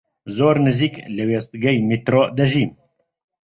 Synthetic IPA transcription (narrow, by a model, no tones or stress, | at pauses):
zoːɾnɨziːklɨweːst̪̚ɡɛjmit̪ɾoːd̪ɛʒiːn